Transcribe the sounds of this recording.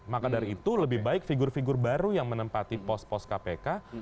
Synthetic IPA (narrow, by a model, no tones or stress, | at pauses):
makadaɾit̪uləbɪhbaɪk̚fiɡʊrfiɡʊrbaɾujaŋmənəmpat̪ipɔs̚pɔs̚kapeka